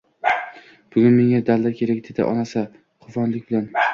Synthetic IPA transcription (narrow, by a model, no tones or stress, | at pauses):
b̥ʊɡʲʊnme̞ŋad̪allaɾkʲʰe̞ɾakʲd̪ed̪a̰ʔɒ̰nasa | qʰʊfɒnlɪkʲbɪlan